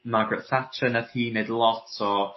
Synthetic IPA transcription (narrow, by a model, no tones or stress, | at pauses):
maɡrəθatʰənaθhiːnedlˠɔtʰɔ